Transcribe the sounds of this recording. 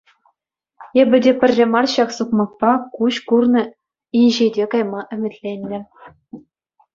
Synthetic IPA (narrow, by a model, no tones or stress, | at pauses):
ebʲɘ̆dʲepʲɘ̆rʲːĕmɑrɕɑksukmɑk̚pɑkuɕkurnɤ̆ | iʑedʲekɑjmɑʔɘ̆mʲɘ̆tʲlʲenʲːɘ̆